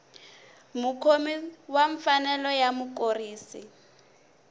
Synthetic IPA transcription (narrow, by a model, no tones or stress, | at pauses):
mukʰomiwaɱfanɛlɔjamukoriːsi